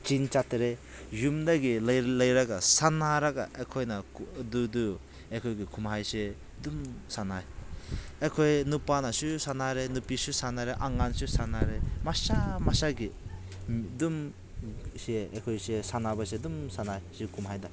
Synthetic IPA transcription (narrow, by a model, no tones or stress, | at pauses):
t͡ʃint͡ʃatɾe | jumdaɡiljlajɾaɡasanaɾaɡa̰ʔekʰojnadudu | ekʰɔjɡikʰumɦajse | dumsanaj | ekʰojnupanasusanaɾenupisusanaɾeʔaŋansusanaɾemasamasaɡi | dum | seḛkʰɔjsesanabasedumsanajsikʰumɦajda